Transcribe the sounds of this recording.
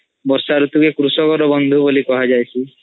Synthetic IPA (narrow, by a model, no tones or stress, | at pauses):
bɔɾsaɾut̪ukekɾusɔkɔɾɔbɔnd̪ʱubolikɔɦad͡ʒajsʰi